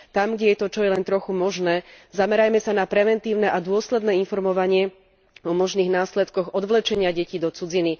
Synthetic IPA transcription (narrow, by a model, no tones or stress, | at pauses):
t̪amɡɟɛjɛt̪ɔt͡ʃɔjɛlɛnt̪ɾɔxumɔʒnɛːzamɛɾajmɛsanapɾɛʋɛnt̪iːʊnɛʔad̪ʊɔslɛd̪nɛːinfɔɾmɔʋaɲɪɛ | ɔmɔʒniːɣnaːslɛt̪kɔɣɔd̪ʋlɛt͡ʃɛɲɪaɟɛcid̪ɔt͡sud͡zini